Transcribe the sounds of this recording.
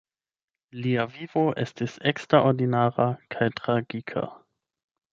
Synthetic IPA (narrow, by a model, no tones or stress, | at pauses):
liavivoʔe̞stise̞kstɾaoɾdinaɾakʰajtɾaɡikʰa̰